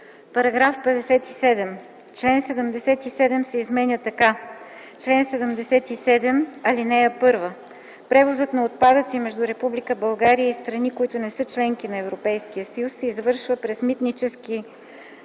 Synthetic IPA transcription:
pɐɾɐɡɾafpɛd̪ɛsɛt̪isɛd̪ɛm | t͡ʃlɛnsɛd̪əmd̪ɛsɛt̪isɛd̪ɛmsɛizmɛnʲət̪ɐka | t͡ʃlɛnsɛd̪əmd̪ɛsɛt̪isɛd̪ɛmɐlinɛəpɤɾvə | pɾɛvozɤt̪nɐot̪̚pad̪ət̪simɛʒd̪uɾɛpublikəbɐlˠɡaɾijəist̪ɾɐnikoit̪ʊnɛsɤt͡ʃlɛŋkinɐɛvɾopɛjskiəsəjusːɛizvɤɾʃvəpɾɛzmit̪nit͡ʃɛski

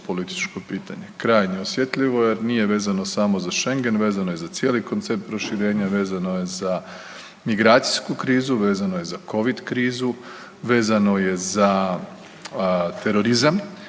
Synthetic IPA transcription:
po̞lit̪i̥t͡ʃko̞piːt̪a̰ɲe̞kɾaːjɲeosjet̪ʎiʋo̞jeɾniːje̞ʋe̞ːzano̞samo̞zaʃe̞ŋɡe̞nʋe̞ːzanoje̞zat̪sje̞ːliko̞nt̪se̞p̚t̪̚pɾo̞ʃiɾe̞ːɲaʋe̞ːzano̞je̞za | miɡɾaːt̪si̥jskukɾiːzuʋe̞ːzanoje̞zako̞ʋid̪kɾiːzu | ʋe̞ːzano̞je̞za | t̪e̞ɾo̞ɾizam

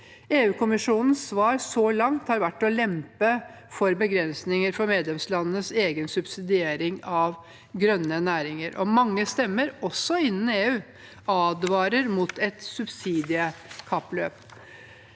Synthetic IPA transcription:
eːʉːkʰʊmɪʂuːnən̩sːʋɑːɾsɔlɑŋt̪hɑːɾʋæʈːɔlɛmpə | fɔɾbəɡɾɛnsnɪŋəɾfɔɾmeːd̪lɛmslɑnənəseːɡənsʉbsɪd̪ɪeːɾɪŋɑʋ | ɡɾœnːənæːɾɪŋəɾʔɔmɑŋːəst̪ɛmːəɾɔsːɔɪnːn̩eːʉː | ɑːd̪ʋɑːɾəɾmʊt̪ʰɛt̪sʉbsiːd̪ɪəkʰɑpːløːp

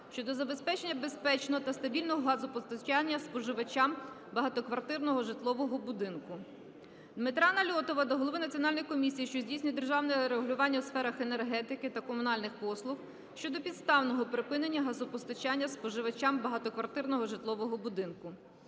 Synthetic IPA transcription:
ʃt͡ʃɔd̪ɔzɐbespɛt͡ʃenʲːɐbe̞spɛt͡ʃnɔɦɔt̪ɐst̪ɐbʲilʲnɔɦɔɦɑzʊpɔst̪ɐt͡ʃanʲːɐspɔʒɪʋɐt͡ʃʲam | bɐɦɐt̪ɔkʋɐrt̪ɪrnɔɦɔʒɪt̪lˠɔʋɔɦɔbʊd̪ɪnkʊ | d̪mɪt̪ɾɑnɐlʲɔt̪ɔʋɐd̪ɔɦɔlˠɔʋɪnɐtt͡sʲiɔnɑlʲnɔjkɔmʲisʲijiʃt͡ʃɔzʲdʲijsʲnʲijd̪erʒɑwnɛɾeɦʊlʲʊʋɑnʲːɐwsfɛɾɐxenerɦɛt̪ɪkɪt̪ɐkɔmʊnɑlʲnɪxpɔslˠʊx | ʃt͡ʃɔd̪ɔpʲid̪st̪ɑwnɔɦɔpɾɪpɪnenʲːɐɦɐzʊpɔst̪ɐt͡ʃanʲːɐspɔʒɪʋɐt͡ʃambɐɦɐt̪ɔkʋɐrt̪ɪrnɔɦɔʒɪt̪lˠɔʋɔɦɔbʊd̪ɪnkʊ

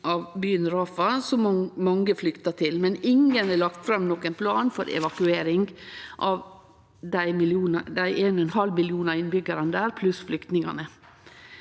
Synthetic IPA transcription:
ʔɑʋbyːənɾɑːfɑsɔmɑŋəflʏkt̪ɑt̪ʰɪlmɛnɪŋənɛɭɑkt̪fɾɑmnɔkːɛnpʰlɑːnfɔɾʔɛ̰ʋɑkʉeːɾɪŋɡʔɑʋ | d̪æɪmɪljuːnəd̪æɪʔeːnɔɛnhɑlmɪljuːnɑɾɪnbʏɡəɾənd̪æːɾpʰlʉsflʏkt̪nɪŋɑ̰nə

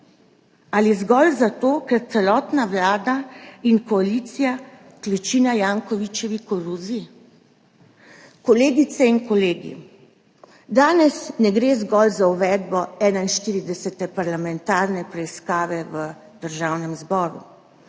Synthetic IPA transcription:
aliɛzɡɔlzat̪oːkɛɾt̪sɛlɔːt̪naʋlaːd̪ainkɔaliːt̪sija | klɛt͡ʃiːnajaːŋkɔʋit͡ʃɛʋikɔɾuzi | kɔleːɡit̪sɛinkɔleːɡḭ | d̪aːnɛsnɛɡɾeːzɡɔlzauʋɛːd̪bɔɛːnainʃt̪iːɾid̪ɛsɛt̪ɛpaɾlamɛnt̪aːɾnɛpɾɛiskaːʋɛʋə | d̪̥əɾʒaːwnɛmzbɔːɾṵ

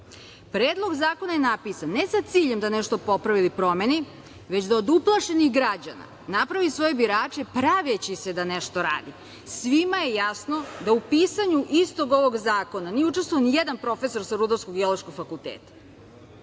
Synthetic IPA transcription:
pɾeːd̪lˠo̞ɡzaːko̞najenapisanːesat̪siːʎe̞md̪aneʃt̪o̞po̞pɾaʋilipɾo̞meni | ʋet͡ɕd̪aod̪uplˠaʃe̞niɣɡɾad͡ʑa̰na̰ | napɾaʋisʋo̞je̞biɾaːt͡ʃe̞pɾaʋet͡ɕise̞d̪aneʃt̪o̞ɾa̰ːd̪i | sʋimaje̞jasno̞d̪aupiːsaɲuʔist̪o̞ɡo̞ʋo̞ɡzaːko̞nanijeut͡ʃest̪ʋoonijed̪anpɾo̞fe̞so̞ɾsaɾud̪oɾskoɡeolˠoʃkoɡfakulˠt̪eːt̪ḁ

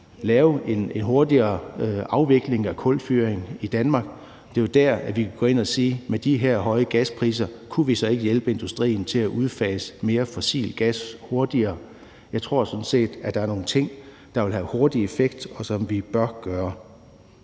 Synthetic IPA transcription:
lɛːʊenenɦo̝ɐd̥iɐːɑ̈ʊʋe̝ɡ̥le̝ŋækʰɔ̽l̥fyːɐeŋid̥ænmɑ̈ːɡ̥ | d̥e̝jod̥æɐ̰æʋikʰæɡ̥ɔ̽e̝næsiːmed̥iɦæɐ̰ɦɒ̽ɪəɡ̥æspʰʁḭːsɐkʰuʋisɒ̽e̝ɡ̥əjelb̥əe̝nd̥usd̥ʁḭːnt͡sʰe̝læʔuð̞ˠfɛ̰ːsme̝ːɐfɒ̽sḭːlɡ̥æsho̝ɐd̥iɐː | jɑ̈ɪt͡sʰʁo̝ɐ̰sɒ̽n̩se̝̰ːd̥æd̥ɑ̈æɐno̝ːn̩t͡sʰe̝ŋ̰ | d̥ɑ̈ʋe̝lɦæho̝ɐd̥ie̝feɡ̥d̥ɒ̽sɒ̽mʋib̥ɶɐɡ̥ɶːɐ

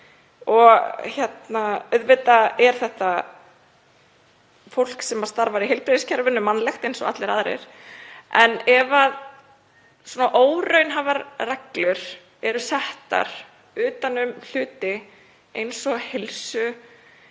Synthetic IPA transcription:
ɔɣçjɛt̪naœðvɪt̪aɛɾ̥θɛht̪a | fowl̥ksɛmḁst̪aɾvaɾiɦɪlpɾɪðɪscʰɛɾvʏnːʏmanːlɛxt̪ejnsɔɣa̰t̪lɪɾaðɾɪ̰ɾ̥ | ɛnɛvað | swɔːnaʔoːwɾœɥnɦavaɾraklʏɾ̥ | ɛɾʏsɛht̪a̰ɾ̥ | ʏːt̪anʏml̥ʏːt̪ɪ | ejnsɔɣhɪlsʏ

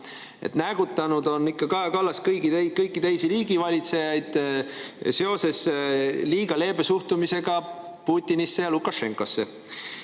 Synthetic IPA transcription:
ḛt̪næɡ̥ut̪ːˑɑnud̪̥o̞nːikːɑkɑɦekɑlːɑskɤjɡiekɤjkːˑit̪e̞jsiɾiːɡivɑlʲit̪se̞jɑjd̪̥ | se̞o̞se̞sliːɡ̥ɑle̞ːb̥e̞suht̪umise̞ɡ̥ɑ | puːt̪ʲːinisːe̞jɑlukːˑɑʃe̞ŋkˑo̞sːe̞

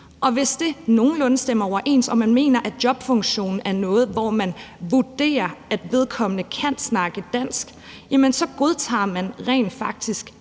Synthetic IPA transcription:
ʔɒ̽ʋe̝sd̥e̝no̝ːn̩lɔ̽nəsd̥em̰ɐɒʊ̰ɐʔe̝̰ːnsɒ̽mænme̝̰ːnɐʔæ̥d̥jɒ̽b̥fɔ̽ŋɕo̝̰ːnn̩æɐnɔ̽ːð̞̩ˠʋɒmænʋuɐd̥e̝̰ːɐæd̥ʋe̝ð̞ˠkʰɒ̽m̰ənəkʰæn̰snɑ̈ɡ̥əd̥æn̰sɡ̥ | jæmənsɒ̽ɡ̥o̝ð̞ˠt͡sʰɑ̰̈ːmænʁɛ̰ɪnd̥fɑ̈ɡ̥̚d̥isɡ̥

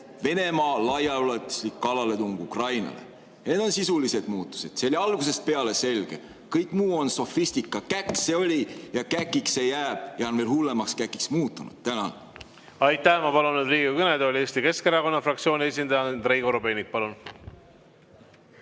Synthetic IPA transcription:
ve̞ne̞mɑːlɑjɑolet̪ːˑu̥slikːɑlɑle̞t̪uŋɡ̥ukrɑjnɑ̰lḛ | ɑned̪̥o̞nsisulise̞d̪muːt̪ːˑu̥se̞d̪̥se̞olʲiɑlɡus̬e̞st̪̚pe̞ɑle̞se̞lɡ̥e̞̰ | kɤjkːˑmuːo̞nso̞fist̪ikːˑɑkækːse̞o̞lʲijɑkækːˑiksejæːb̥̚jɑonve̞ːlhulːe̞mɑkskækːˑiksmuːt̪ːˑunṵd̪̥t̪ænɑ | ɑjt̪ːˑæhmɑpɑlunːed̪riːɡikɯned̪olʲie̞ːsʲt̪ike̞skeɾɑko̞nːɑfrɑkt̪sio̞ːnʲiesʲind̪ɑjɑnd̪ɾejɡoɾobeːnik̚pɑlun

